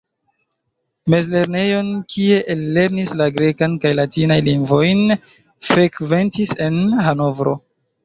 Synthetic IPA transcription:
me̞zle̞ɾne̞jo̞nkʰie̞ʔelːe̞ɾnislaɡɾe̞kankajlatinajliŋɡvo̞jn | fɾe̞kve̞ntise̞nɦano̞vɾo̞̰

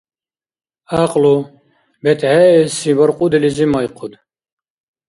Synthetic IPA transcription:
aqʼlu | bɛt̪ʰhɛɛsibɔɾqʼud̪ɛlizimɔjqʰud̪

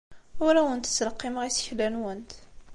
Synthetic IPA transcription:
ʊɾæwənt̪ə̥t͡sːləqːimʁisçlænwənt̪

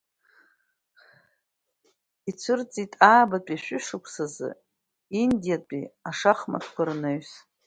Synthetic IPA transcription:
it͡sʷʰɨrt͡sʼitʼaːbat͡pʼiʃᶣʷʏʂɨkʷʰsazɨ̰ | indijapʼḭaʂaχma̰tʰkʷʰarnaɥs

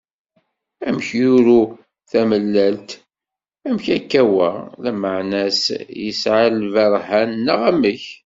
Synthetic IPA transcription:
æmçjʊɾu | θæməlːælt̪ | æmçækːæwælæməʕnæsjəsʕallvɑɾˤhænːəʁæməç

